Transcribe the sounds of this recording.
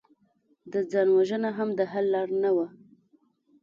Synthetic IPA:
d̪əd͡zɑnwaʒənaɦamd̪əɦalːɑɽnawa

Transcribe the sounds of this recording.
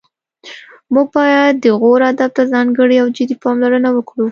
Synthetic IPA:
muɡ̚bɑjad̪ːəɣoɾhad̪ab̚t̪azɑŋɡəɽiawd͡ʒɪd̪ipɑmlaɾənawəkɽu

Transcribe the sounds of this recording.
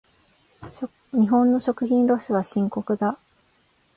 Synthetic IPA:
ɲ̟iɦõ̞nːo̞ɕo̞kɯ̟çĩnɾo̞sɨβaɕĩŋko̞kɯ̟d̪a

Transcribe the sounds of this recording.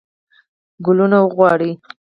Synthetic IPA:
ɡʊlunawəɣwɑɽi

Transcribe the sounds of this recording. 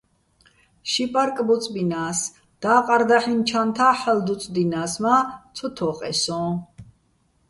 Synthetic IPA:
ʃipʼaɾkʼbɔt͡sʼbinas | d̪̥aːqʼaɾd̪aħint͡ʃʰant̪ʰaħɛld̪ut͡sʼd̪inasmat͡sʰɔt̪ʰɔqʼɛ̰sɔ̃

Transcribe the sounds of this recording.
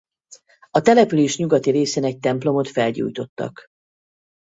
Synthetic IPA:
ɒt̪ɛlɛpyleːʃɲuɡɒt̪iɾeːseːnɛc̚t̪ɛmplo̞mo̞t̪fɛlɟṵːjt̪o̞t̪ːɒ̰k

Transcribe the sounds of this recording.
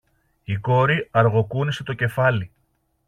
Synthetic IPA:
iko̞ɾiɐɾɣo̞kunise̞t̪o̞ce̞fɐli

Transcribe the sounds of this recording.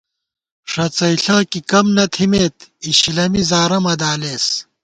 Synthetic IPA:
ʂɐt͡sɐiɬaːkikɐmnɐt̪ʰimeːt̪iɕlɐmizaːɾɐmɐd̪aːleːs

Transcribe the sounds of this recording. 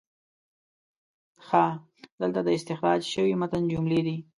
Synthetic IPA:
xa | d̪əlt̪ad̪əɪst̪ɪxɾɑd͡ʒʃəwimat̪ənd͡ʒumled̪i

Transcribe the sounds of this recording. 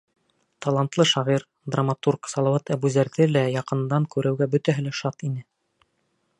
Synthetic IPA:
t̪ɑlˠant̪lˠɤʃɑʁiɾ | d̪ramat̪urksɑlˠɑwɑt̪æbʉzæɾðɘlæjɑqɤ̆nd̪ɑŋkʉɾɘ̆wɡæbɵ̆t̪æɦɘlæʃɑt̪inɘ

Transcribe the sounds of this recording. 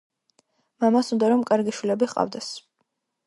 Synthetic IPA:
mamasund̪aɾɔmkʼaɾɡiʃwilɛbiqʼa̰vd̪ɛs

